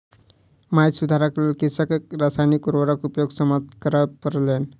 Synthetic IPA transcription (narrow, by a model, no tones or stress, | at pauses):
majt̪sud̪ʱaɾaklelkisəkek̚ɾasajnikuɾʋəɾəkupjoɡsəmatkəɾəpəɾlen